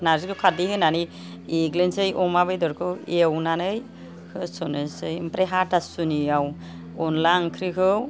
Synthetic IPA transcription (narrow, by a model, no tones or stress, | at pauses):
naɾskʰɯkʰaɾdihɯnani | iɡlensɯjʔɔmabɯjdɔɾkʰɯwewnanɯj | kʰɯsɔnɯsɯjmpɾeɦatasuniaw | ɔnlaŋkʰɾikʰɯ